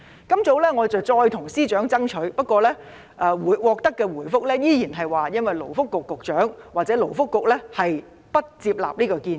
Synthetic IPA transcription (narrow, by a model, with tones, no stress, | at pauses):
kɐ˥mt͡so˨˥wlɛː˥ŋɔː˨˧t͡sɐ˨wt͡sɔː˧jt̪ʰʊ˨˩ŋsiː˥t͡ʃœː˨˥ŋt͡sɐ˥ŋt͡ʃʰɵ˨˥ɥpɐ˥t̚kʷɔː˧lɛː˥ | ʔɛː˨˧wuː˨˥jwɔː˨˧k̚t̪ɐ˥kːɛː˧wuː˨˩jfʊ˥k̚lɛː˥jiː˥ji˨˩nɦɐ˨jwaː˨jɐ˥nwɐ˨jlo˨˩wfʊ˥kːʊ˨kːʊ˨k̚t͡ʃœː˨˥ŋwaː˨k̚t͡sɛː˨˥lo˨˩wfʊ˥kːʊ˨k̚lɛː˥hɐ˨j | pɐ˥t̚t͡siː˧p̚la̰ː˨p̚niː˥kɔː˧kiː˧n